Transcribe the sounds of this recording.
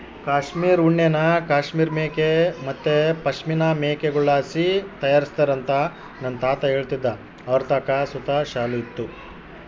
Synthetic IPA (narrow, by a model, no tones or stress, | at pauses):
kaːʂmiːɾuɳːenɐkaːʃmiːɾmeːkemɐt̪ːepɐʃminɐmeːkeɡuɭaːsit̪ɐjaːɾist̪ɐɾɐnt̪ɐ | nɐnːɐt̪aːt̪ɐɦe̞ːɭt̪id̪ːɐ | ɐʋɐɾt̪aːkɐsut̪aʃaːluit̪ːu